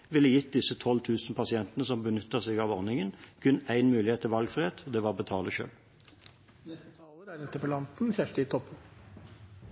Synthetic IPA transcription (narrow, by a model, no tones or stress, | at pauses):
ʋɪlːəjɪt̪̚d̪ɪsət̪ʰɔlt̪ʰʉːsn̩pʰɑsɪɛnt̪ənəsɔmbənʏt̪ːəʁsɛɡɑːʋɔʁnɪŋənkʰʉnæɪnmʉːlɪheːt̪ʰːɪlʋɑlɡfʁɪheːt̪ʰɔd̪eːʋɑbət̪ʰɑːləʃø̰ːl | nɛst̪ət̪ʰɑːləɾæɾɪnt̪əpəlɑnt̪n̩sæʂʈɪt̪ʰɔpːə